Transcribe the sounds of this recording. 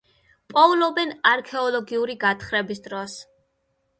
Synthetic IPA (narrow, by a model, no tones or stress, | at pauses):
pʼɔvlɔbɛnaɾkʰɛɔlˠɔɡiuɾiɡat̪ʰχɾɛbisd̪ɾɔs